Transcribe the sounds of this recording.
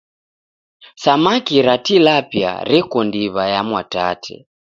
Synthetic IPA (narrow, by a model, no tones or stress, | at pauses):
samakiɾatilapja̰ɾɛkɔndiβajamwatatʰɛ̰